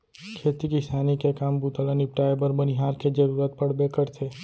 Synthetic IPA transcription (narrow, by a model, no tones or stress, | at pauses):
kʰeːt̪ikisaːnikekaːmbut̪ələnip̚ʈaːɪbəɾbɐniɦaːɾked͡ʒəɾuːɾət̪̚pɐɽ̤bekəɾt̪ʰeː